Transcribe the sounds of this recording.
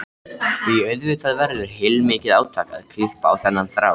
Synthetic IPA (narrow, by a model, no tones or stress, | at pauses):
θviœɥðvʏt̪ʰaðvɛɾðɪɾ̥ɦejlmɪːcɪðaːwt̪ʰaka̰ðkʰl̥ɪhpa̰ːwθɛnːanθɾa̰ːw